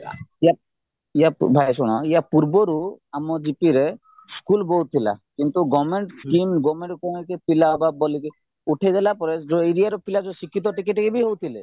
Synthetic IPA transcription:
ija | ija̰bʱajs̬uɽ̃ɔijapuɾbɔɾuamɔd͡ʒipiɾe | skulbowt̪ʰila̰kint̪uɡɔmeɳʈskimɡɔmeɳʈkɔmkepilababɔlike | uʈʰajdalapɔɾed͡ʒoiɾijaɾɔpʰilad͡ʒɔsikʰːit̪̬ɔʈikeʈkebiɦowt̪ʰile

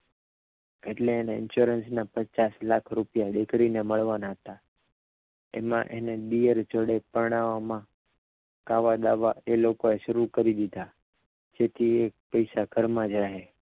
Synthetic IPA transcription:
eʈleːneɪ̰nʃuɾənsnapət͡ʃaslakʰɾupjaɗekʰɽineməɭʋanaɦət̪a | ḛmã̰ʔeneɗ̪ijəɾd͡ʒəɽepəɾɽ̃aʋomã | kaʋad̪aʋaelokoeʃəɾukəɾid̪id̪ʱa | d͡ʒet̪ʰiek̚pəjsaɡʱəɾmãd͡ʒaɦe

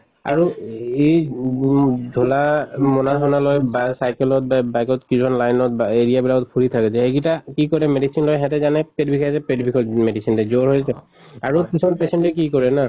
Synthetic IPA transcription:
a̰ɹue | dʱɔlamɔnasʰɔnalojbasajkɛlɔt̚babajkɔtkizɔnlajnɔt̚baeɹijabilakɔtpʰuɹitʰakɛsɛekitakikɔɹɛmedisinlojɦɛtɛzanɛped̚bʱikʰasɛpedbʱikʰɔtmedisintɛzoɹɦojsɛ | aɹukisʰɔmanpɛsɛntɛkikɔɹɛna

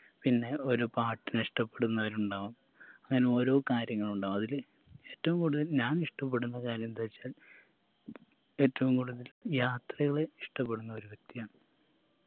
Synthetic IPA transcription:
pinːe̞o̞ɾupaːʈːineʂʈɐpːe̞ɽunːɐʋɐɾuɳɖaːʋum | ɐŋːɐne̞o̞ːɾo̞ːkaːɾjɐŋːɐɭuɳɖaːʋmɐðil | e̞ːtːɐʋumkuːɽuðɐlɲaːniʂʈɐp̬ːe̞ɽunːɐkaːɾjɐmt̪ɐit͡ɕːaːl | e̞ːtːɐʋumkuːɽuðɐljaːt̪rɐɣɐɭeiʂʈɐpːe̞ɽunːɐo̞ɾuʋek̚t̪ijaːɳɨ

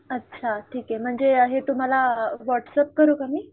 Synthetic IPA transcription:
ətːt͡ɕʰaʈʰiːkem̤əɳd͡zeɦet̪um̤alaʋɔʈsəp̚kəɾukamiː

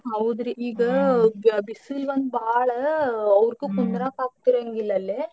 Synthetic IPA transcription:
ɦɐwd̪ɾeiːɡɐ | bisilʋɐnd̪baːɭɐːʋɾkukund̪ɾaːkaːk̚t̪iɾɐŋɡilːɐlːeː

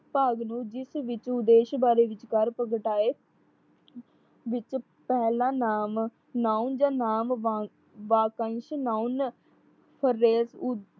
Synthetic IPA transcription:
paːɡnũːd͡ʒɪsʋɪt͡ʃʊd̪eːʃbaːɾeːʋɪt͡ʃkəɾpəɡəʈaːeː | ʋɪt͡ʃ | pɛːlãːnaːm | naːund͡ʒãːnaːm | ʋaːkənʃnaːun | pʰəɾːeːsʊ

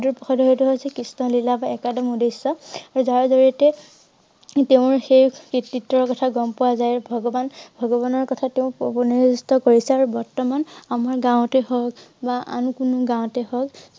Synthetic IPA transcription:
duɹpɔxʰɔdɔɦɔjtuɦɔjsɛkisnɔlilabaɛkadɔmudisːɔaɹuzaɹzoɹiɔtɛ | teʊ̃ɹxejkitːitːɔɹkɔtʰaɡɔmpɔwazajbʱɔɡɔbanbʱɔɡɔbanɔɹkɔtʰateʊ̃pobɔnizustɔkoɹisɛaɹubɔɹtɔmanamaɹɡãwʊ̃tɛhɔkbaʔa̰nukunuɡãw̃tɛhɔk

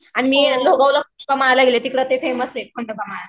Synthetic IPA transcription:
aɽ̃imiːloɡəwlakuskamalaɡlet̪ikɽət̪efeməslekʰəɳɖəkamala

